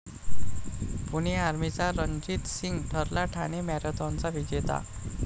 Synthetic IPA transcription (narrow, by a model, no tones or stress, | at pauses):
puɽ̃iaɾmit͡saɾəɲd͡ʑiːt̪siŋɡʈʰəɾlaʈʰaɽ̃emaɾət̪ɔ̃nt͡saʋid͡ʑet̪a̰